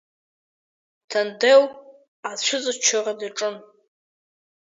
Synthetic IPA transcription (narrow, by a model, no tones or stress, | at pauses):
tʰandew | aʃʷʊt͡sʼɨt͡ʃʷʰaradaʈ͡ʂʼɨn